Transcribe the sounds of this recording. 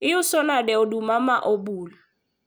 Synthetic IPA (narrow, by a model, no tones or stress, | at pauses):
ɪʊsɔnadɛɔdumamaʔobuːla